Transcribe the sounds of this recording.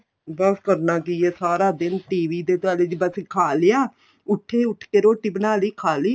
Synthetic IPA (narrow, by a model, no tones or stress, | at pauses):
bəskəɾnaːkiːeːsaːɾaːd̪ɪnʈiːʋiːd̪eːt̪ʊaːleːd͡ʒibəsikʰaːlejaː | ʊʈʰːeːʊʈʰkeːɾoːʈːiːbənaːliːkʰaːliː